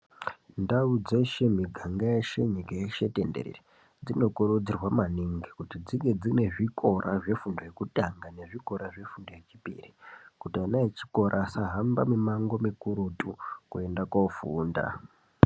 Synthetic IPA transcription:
ndaud͡ze̞ʃe̞m̤iɡʱaŋɡajeʃe̞ɲikajeʃe̞tendeɾḛre | d͡zino̞koɾud͡zirwamaniŋɡikutid͡ziŋɡe̞d͡zine̞ʐiko̞ɾʔa̰ʐe̞fundoje̞kutʼaŋɡane̞ʐiko̞ɾaʐe̞fundo̞jet͡ʃipḭrikutianaet͡ʃi̥ko̞ɾʔasaɦamba̰mimaŋɡo̞mikuɾutʼukue̞ndakofuːnda̰

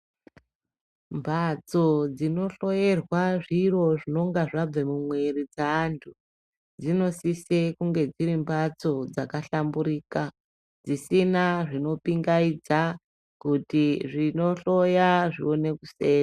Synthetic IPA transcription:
mbʱat͡so̞d͡zino̞ɬo̞je̞rwaʐiro̞ʐino̞ŋɡaʐab͡vemumwe̞rid͡zaːntʰu | d͡zino̞sisekuŋɡe̞d͡ziɾimbat͡so̞d͡zakaɬambuɾiːka | d͡zisinaʐino̞piŋɡaid͡za | kutiʐino̞ɬo̞jaʐḭo̞ne̞kuse̞ːna

